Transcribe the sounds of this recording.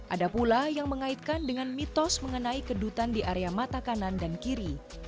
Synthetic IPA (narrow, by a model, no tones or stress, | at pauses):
ʔadapulajaŋməŋait̪̚kandəŋanmit̪ɔsməŋənaikədut̪andiʔaɾeamat̪akanandankiɾi